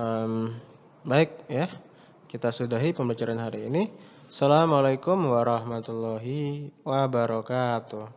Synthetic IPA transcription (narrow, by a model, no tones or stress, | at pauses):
əm | baɪk̚ja | kit̪asudaɦipəmbat͡ʃaɾanɦaɾiːni | salamalajkʊmwaɾɑhmat̪ulɔɦiwabaɾɔkat̪ʊh